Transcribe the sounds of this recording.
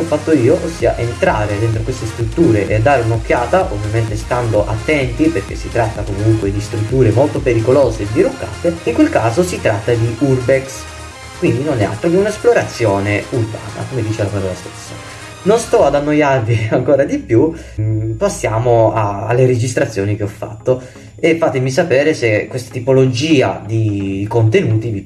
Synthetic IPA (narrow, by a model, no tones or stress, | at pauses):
ɔfːat̪ːoiːoʔosːiːa̰ʔent̪ɾaːɾed̪ent̪ɾokwest̪est̪ɾut̪ːuːɾeʔḛad̪ːaːɾeunok̟ːjaːt̪aʔovːjament̪est̪and̪oʔat̪ːɛnt̪iperk̟ḛsːit̪ɾat̪ːakomuŋkwed̪ist̪ɾut̪ːuːɾemolt̪opeɾikoloːzed̪ːiɾukːa̰ːt̪eiŋkwelkaːzosit̪ɾat̪ːad̪iʔurbeks | kwind̪inonɛa̰t̪ːɾokeunaesploɾat̪sːjoːneulba̰ːna̰komed̪iːt͡ʃelapaɾɔːlast̪e̥sːa | nonst̪ɔad̪anːojarviaŋkoːɾad̪ipju | pasːjaːmoaa̰lːeɾed͡ʒist̪ɾat̪sjoːnik̟eɔfːa̰t̪ːo | efːat̪emis̬apɛːɾesekːwest̪ḁt̪ipolod͡ʒiːa̰d̪ikont̪enuːt̪ivi